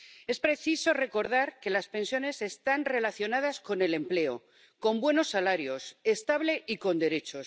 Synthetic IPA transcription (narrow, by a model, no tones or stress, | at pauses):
e̞spɾe̞θiso̞re̞ko̞ɾð̞aɾke̞laspe̞nsjo̞ne̞se̞st̪anre̞laθjo̞naðasko̞ne̞le̞mple̞o̰ | ko̞mbwe̞no̞sːalaɾjo̞se̞st̪aβle̞ʔiko̞nd̪e̞ɾe̞t͡ʃo̞s